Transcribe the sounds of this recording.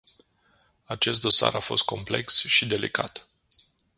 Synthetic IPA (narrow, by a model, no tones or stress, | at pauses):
at͡ʃe̞st̪̚d̪o̞sa̰ɾafo̞̰st̪̚kʰo̞mple̞ksʃid̪e̞likʰat̪